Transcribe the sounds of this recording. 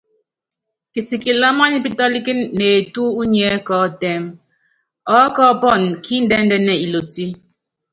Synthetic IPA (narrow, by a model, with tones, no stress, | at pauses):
ki˨si˨ki˨la˦ma˦ni˦pi˦tɔ˦li˦ki˦ne˨tu˦u˦ɲɛ˨˦kɔː˨˦tɛ˨m | ɔ˦kɔ˦pɔ˦˨nkʰi˦n̩˦dɛ˦n̩˦dɛ˨nɛ˨i˨lo˨ti˦